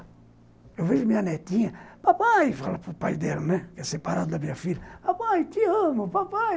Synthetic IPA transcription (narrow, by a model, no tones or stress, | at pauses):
ewveʒʊmĩɲɐnɛt̪ĩɲɐpapajfa̰lɐpɾʊpa̰jd̪ɛlɐnɛkɪɛsepaɾa̰d̪ʊd̪ɐmĩɲɐfilɐpapajt̪ɪɐ̃mʊpapaj